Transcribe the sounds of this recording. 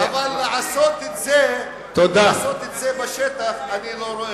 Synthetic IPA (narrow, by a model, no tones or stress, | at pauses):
avalːeʕasot̪et̪ze | t̪od̪asot̪et̪zebaʃet̪aχaniloɾoe